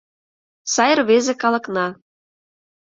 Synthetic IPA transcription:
sɑjə̆rβezekɑlɤ̆knɑ

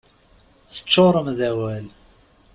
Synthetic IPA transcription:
θə̥t͡ʃːoɾˤəmðæwæl

